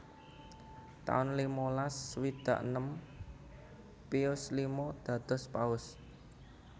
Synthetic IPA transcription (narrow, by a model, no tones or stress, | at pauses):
t̪a̰ʊnlimolaswid̪̥ä̤ʔnəm | piʊslimod̪̥ä̤d̪̥ɔ̤spaʊs